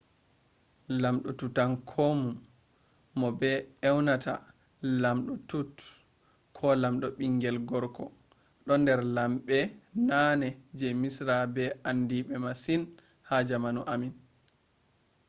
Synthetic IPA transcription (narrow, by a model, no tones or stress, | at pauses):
lamɗɔtutankʰomumː | ɔbɛɛwnata̰ | lamɗɔtut | kʰɔlamɗɔɓiŋɡɛlɡɔɾkɔ | ɗɔndɛɾlamɓɛnanɛd͡ʒɛmisɾabɛandiɓɛmasin | had͡ʒamanuʔamin